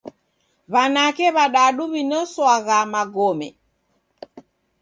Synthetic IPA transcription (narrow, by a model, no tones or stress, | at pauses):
βanakɛβaɗaɗuβinɔswaɣamaɡɔmɛ̰